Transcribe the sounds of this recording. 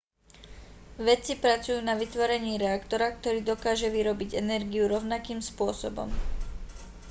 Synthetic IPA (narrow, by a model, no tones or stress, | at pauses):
ʋɛt͡sipɾat͡sujuːnaʋit̪ʋɔɾɛɲiːɾɛakt̪ɔɾakt̪ɔɾiːd̪ɔkaːʒɛʋiɾɔbiɟɛnɛɾɡiuɾɔʊnakiːmspʊɔsɔbɔ̰m